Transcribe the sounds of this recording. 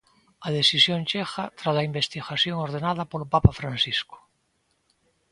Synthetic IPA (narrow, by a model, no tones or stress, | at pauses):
aðesisjõnt͡ʃexat̪ɾazlaimbest̪iɣasjoŋoɾð̞enað̞apoɾopapafɾansisko̥